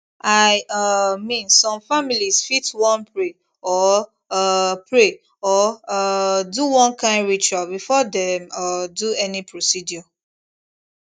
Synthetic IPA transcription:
aɪmĩnsɔ̃mfamilisfitwɔ̃npɹe | ɔ | pɹe | ɔ | duwɔ̃nkãɪ̃ndɹit͡ʃualbifɔdemduɛnipɹosidjɔ

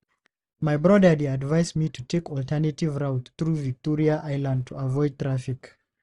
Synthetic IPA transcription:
maɪbɹɔdə˞deadvaɪsmitʰutʰekɔltʰɛ˞nativɹaʊt̪θɹuvik̚tɔɹiaʔaɪlãnd̚tʰuavɔɪd̚t̪ʰɹafik

